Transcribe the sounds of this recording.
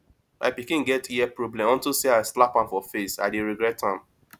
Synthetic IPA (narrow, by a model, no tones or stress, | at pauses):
mʔa̰ɪpikĩnɡɛtiɛpɹɔblɛ̃mɔ̃ntuseaɪslapãmfɔfesa̰ɪdeɹiɡɹɛtʰãm